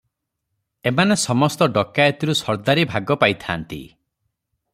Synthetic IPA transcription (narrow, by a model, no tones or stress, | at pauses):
emanesɔmɔst̪ɔɖɔkajɔt̪iɾusɔɾd̪aɾibʱaɡɔpajt̪ʰa̰ːnt̪ḭ